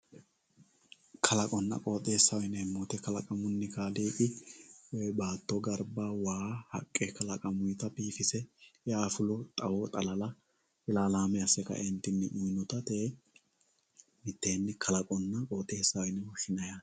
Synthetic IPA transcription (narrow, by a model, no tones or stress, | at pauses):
kʰɐlɐkʼɔnːɐ̰kʼo̞ːt̪ʼe̞ːsːɐwɔjnɛmːot̪ɛkɐlɐkʼɐmʊnːɪkaːliːkʼɪwbaːt̪ːɔɡɐɾbawaːhɐ̰kʼːɛkɐlɐkʼɐmʊjt̪ɐpiːfɪsɛaːfʊlɔt̪ʼɐwɔt̪ʼɐlɐlɐ | ɪlaːlaːmɛɐsːɛkɐ̰ʔɪnt̪ːɪnːɪʔʊjnɔt̪ɐt̪eː | mɪt̪ːe̞ːnːɛkʰɐlɐkʼɔnːɐkʼoːt̪ʼe̞ːsːɐwɔjnɛwʊʃɪnɐja